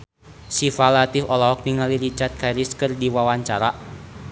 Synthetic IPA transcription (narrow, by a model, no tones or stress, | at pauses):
sifalat̪ifɔlɔɦɔk̚niŋaliɾit͡ʃat̪̚kaiɾiskɨrdiwawaɲt͡ʃaɾa